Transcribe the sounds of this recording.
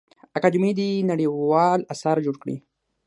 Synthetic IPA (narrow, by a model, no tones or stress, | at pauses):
akad͡ʒʊmid̪inaɽiwɑlasaɾd͡ʒoɽkɽḭ